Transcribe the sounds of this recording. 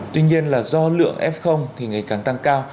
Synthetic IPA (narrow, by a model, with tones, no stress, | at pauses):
t̪wi˧ɲi˧ənlaː˨˩zɔ˧lɨ̰˧˨əŋʔɛ˦˥p̚xə˧wŋ͡mt̪ʰi˨˩ŋa˨˩jkaː˨˩ŋt̪a˧ŋkaː˧w